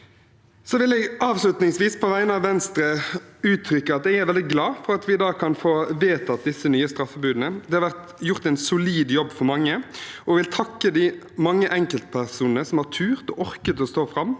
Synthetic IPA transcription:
sɔʋɪlɛɡɑːʋslʉt̪nɪŋsʋiːspʰɔʋæɪənəɑʋɛnst̪ɾəʉːt̪ʰɾʏkːəɑt̪̚d̪ɛɡæɾʋɛld̪ɪɡlɑːfɔɾɑt̪ʋɪd̪ɑːkʰɑnfoːʋeːt̪ʰɑt̪̚d̪ɪsːənyːəst̪ɾɑfːəbʉːd̪n̩əd̪ɛhɑɾʋæʁt̪ | jʊʁt̪ɛɪnsʊliːd̪jɔbːfɔɾmɑŋːəɔʋɪlt̪ʰɑkːəd̪ɪ | mɑŋːəʔɛŋkəlt̪pʰæʁsuːnnəsɔmhɑʁʈʰʉːʁt̪ɔ̰ːʔɔɾkət̪ɔst̪oːfɾɑmː

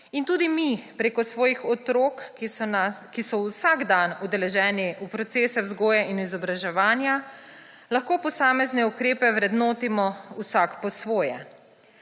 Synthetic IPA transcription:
int̪uːd̪imipɾeːkɔsʋɔːjixɔt̪ɾoknakisɔwsaɡd̪anud̪ɛlɛʒɛːniupɾɔt̪seːsɛwzɡoːjainizɔbɾaʒɛʋaːnja | laxkoːpɔsaːmɛznɛukɾeːpɛʋɾɛd̪noːt̪imɔusakpɔsʋoːjɛ

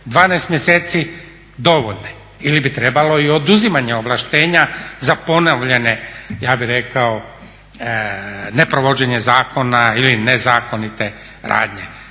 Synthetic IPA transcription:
d̪ʋaːneːst̪mjeseːt̪si | d̪o̞ʋoʎne | ilibit̪ɾe̞balo̞io̞d̪uzimaɲe̞oʋlˠaʃt̪e̞ːɲazapo̞naʋʎe̞ne̞jaːbiɾe̞kao | ne̞pɾoʋod͡ʑe̞ɲe̞zaːko̞nailinezaːko̞nit̪e̞ | ɾa̰ːd̪ɲe

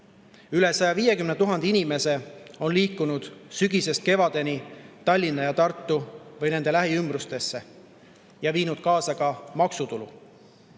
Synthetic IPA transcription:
yle̞sɑjɑvije̞kymnet̪uɦɑnd̪iinime̞se̞o̞nliːkːunud̪̥syɡise̞st̪̚ke̞vɑd̪̥e̞nit̪ɑlʲːinːɑjɑt̪ɑrt̪ːˑuvɤjne̞nd̪e̞læɦiymbrust̪e̞sːe̞ | jɑviːnud̪̥̚kɑːsɑɡɑmɑksut̪ulṵ

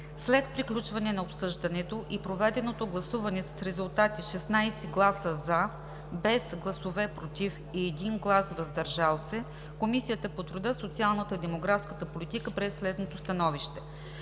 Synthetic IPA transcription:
slɛt̪̚pɾiklʲut͡ʃvɐnɛnɐopsɤʒd̪ɐnɛt̪oʔipɾovɛd̪ɛnot̪oɡlˠɐsuvɐnɛsɐ̥sɾɛzulˠt̪at̪iʃɛsnajsɛɡlˠasəza | bɛsɡlˠɐsovɛpɾot̪if | iːd̪inɡlˠasvɐzd̪ɐɾʒalˠsɛ | komisijət̪əpot̪ɾud̪ɤsot̪sialˠnət̪əid̪ɛmoɡɾafskət̪əpolit̪ikəpɾɛsːlɛd̪not̪ost̪ɐnɔviʃt̪ɛ

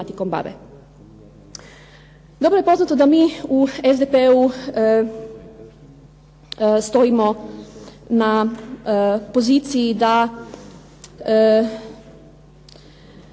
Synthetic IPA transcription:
at̪iko̞mba̰ʋḛ | d̪o̞bɾojepo̞znat̪od̪amiːuezd̪epeu | st̪o̞imo | na | po̞zit̪sijid̪a

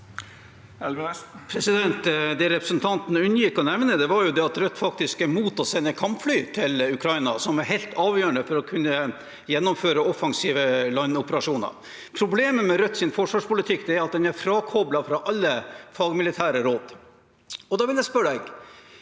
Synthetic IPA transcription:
pʰɾɛsɪd̪ɛnt̪d̪ɛɾɛpɾəsnt̪ʰɑnt̪n̩ʉnːəjɪkːɔnɛʋnəd̪ɛʋɑɾjʊd̪ɛɑt̪ɾœt̪ːfɑkt̪ɪskæɾmuːt̪ɔsɛnːəkʰɑmpflyːt̪ʰɪlʉkʰɾɑɪnɑ̰sɔmæɾɦɛɪlt̪ʰɑːʋjøːəɳəfɔɾɔkʰʉnːə | jɛnːɔmføːɾəɔfɑŋsiːʋəlɑnːɔpəɾɑʂuːnə̰ɾ | pʰɾʊbleːməmɛɾœt̪ːsɪnfɔʂʋɑːʂpʊlɪt̪ʰɪkːd̪ɛæɾɑt̪̚d̪ɛnæɾfɾɑːkʰɔblɑfɾɑʔɑlːəfɑːɡmɪlɪt̪ʰæːɾəɾoːd̪ | ɔd̪ɑːʋɪljæɪspœɖɛɡ

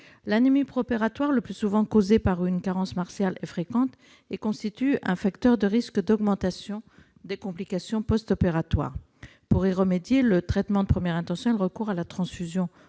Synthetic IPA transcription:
lɛnmipχopeʁat̪waʁləplysuvɑ̃kozepaʁynkaʁɑ̃smaʁsjalefχekɑ̃t̪ | ekɔ̃st̪it̪yɛ̃fakt̪œʁd̪əʁiskd̪ɔɡmɑ̃t̪asjɔ̃ | d̪ekɔ̃plikasjɔ̃pɔst̪ɔpeʁat̪wa̰ːʁ | puʁiʁəmed̪jelət̪χɛt̪mɑ̃d̪əpχəmjɛʁɛ̃t̪ɑ̃sjɔ̃ɛlʁəkuʁalat̪χɑ̃sfyzjɔ̃

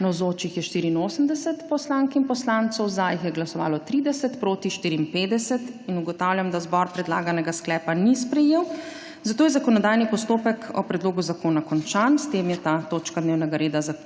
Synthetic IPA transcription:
nawzoːt͡ʃixjɛʃt̪iːɾiːnoːsəmd̪ɛsɛt̪pɔslaːŋkinpɔslant̪sɔwzajixjɛɡlasɔʋa̰ːlɔt̪ɾiːd̪ɛsɛt̪pɾoːt̪iʃt̪iːɾiːnpeːd̪ɛsɛt̪inuɡɔt̪awljamd̪azbɔɾpɾɛd̪la̰ːɡanɛɡasklɛːpanispɾɛjeːw | zat̪oːjɛzakɔnɔd̪aːjnipɔst̪oːpɛkʰɔ̰pɾɛd̪loːɡuzakoːnakɔnt͡ʃanst̪emjɛt̪at̪oːt͡ʃkad̪neːwnɛɡaɾeːd̪aza

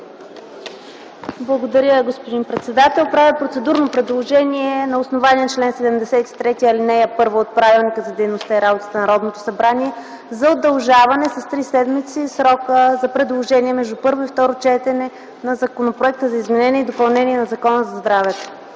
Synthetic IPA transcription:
blˠɐɡod̪ɐɾʲəɡospod̪inpɾɛt̪sɛd̪at̪ɛlˠpɾavipɾot̪sɛd̪uɾnopɾɛd̪lˠoʒɛniɛnɐosnovaniɛnt͡ʃlɛnsɛd̪ɛmd̪ɛsɛt̪i̥t̪ɾɛt̪iɐlinɛjəpɤɾvəot̪̚pɾavilˠnikəzɐd̪ɛjnost̪aiɾabot̪ə̥t̪ənɐɾɔd̪not̪o̥sɐbɾaniɛ | zɐod̪ːɐlˠʒavɐnɛsɐst̪ɾisɛd̪mit̪sisɾɔkəzɐpɾɛd̪lˠoʒɛniɛmɛʒd̪upɤɾvoift̪ɔɾot͡ʃɛt̪ɛnɛ | nɐzɐkonopɾoɛk̚t̪əzɐizmɛnɛniɛid̪opɐlˠnɛniɛnɐzɐkɔnəzɐzd̪ɾavɛt̪o̥

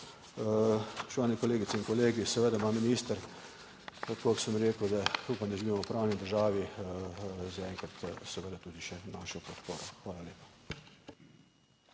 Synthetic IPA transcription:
ʃt͡ʃaːwnɛkɔleːɡit̪sɛiŋkɔleːɡisɛʋəd̪amaminist̪əɾ | koksəmɾeːkəd̪auːpamd̪ɐʒiʋimɔpɾaːwnid̪əɾʒaːʋi | zaɛŋkɾat̪sɛʋəd̪at̪uːd̪iʃɛnaːʃɔpɔt̪poːɾɔxʋaːlaljeːpḁ

